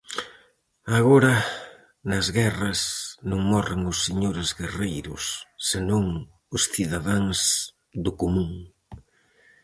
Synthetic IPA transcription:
aɣoɾɐ | nɐzɣɛrɐsnõŋmɔreŋʊsːeɲoɾɪzɣerejɾʊ̰sːenõŋ | ʊsθiðaðaŋs | d̪ʊkomũŋ

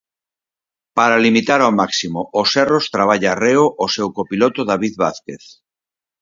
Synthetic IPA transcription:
paɾalimit̪aɾawmaksimoʔosɛrost̪ɾaβ̞aʎareoʔosewkopilot̪oðaβiðβaθkeθ

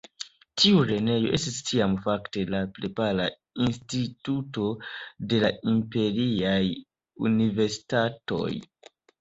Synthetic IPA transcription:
tʰiuɾe̞ne̞jo̞ʔe̞stistiamfakte̞lapɾepaɾa | instituto̞de̞laimpe̞ɾiaj | ṵnive̞ɾsi̥tato̞̰j

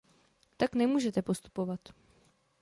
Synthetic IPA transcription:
t̪aknɛmuːʒɛt̪ɛpo̞st̪u̥po̞vat̪

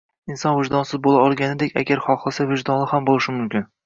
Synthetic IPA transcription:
ɪnsɒnvɪd͡ʒd̪ɒnsɪzbolˠaɒlˠɡʲanɪd̪ekʲa̰ɡʲaɾχɒχlˠasavɪʒd̪ɒnlɪhambolˠɪʃɪmʊmkʲɪn

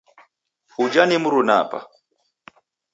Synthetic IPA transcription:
hud͡ʒanimuɾuna̰pa̰

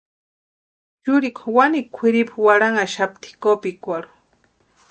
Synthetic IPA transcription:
t͡ʃʊɾiko̥wanikʷʰiɾipawaɾaŋaʃap̚t̪ʰi̥kopikʷaɾu̥

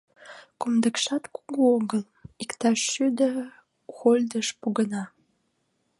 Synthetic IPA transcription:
kumd̪ə̆kʃɑt̪kuɣuoɣəl | ikt̪ɑʃːyd̪ə̆ | xolʲd̪əʃpuɣənɑ

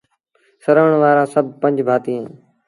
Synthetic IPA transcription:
səɾəʋɳ̃ʋaːɾãːsəb̚ʱpə̃ɲd͡ʒbʱaːt̪iːẽː

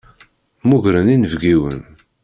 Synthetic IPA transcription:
muʝɾəninəvɡiwə̰n

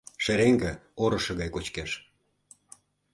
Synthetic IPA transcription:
ʃeɾeŋɡĕoɾɤ̆ʃɤ̆ɣɑjkot͡ɕkeʃ

